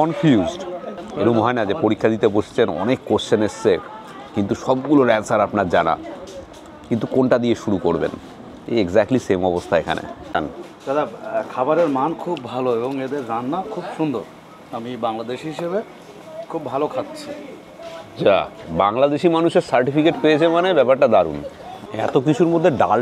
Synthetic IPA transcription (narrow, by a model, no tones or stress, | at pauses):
kɔnfjuzɖeɾumɦɔenad͡ʑepoɾikʰːad̪it̪epoʃe̥t͡ɕʰenɔ̰nekːost͡ɕʰenest͡ɕʰe | kint̪uʃɔb̚ɡuloɾɛnsaɾapnaɾd͡ʑana̰ | kint̪ukonʈad̪ieʃuɾukoɾbḛn | ḛeɡzɛk̚ʈlisemɔbost̪ʰaekʰa̰nʔḛa̰n | d͡ʑaɾakʰabaɾeɾmankʰubːʱaloeboŋed̪eɾd͡ʑanːakʰubʃund̪ʱoɾ | amibaŋlad̪eʃɦiʃeβe | kʰubːʱalokʰat̪ːɕʰi | d͡ʑabaŋlad̪eʃimanuʃeɾsaɾʈifikeʈpeet͡ɕʰemanebɛpaɾʈad̪aɾṵnɛ̰t̪ok̬it͡ɕʰuɾmod̪ʱːeɖal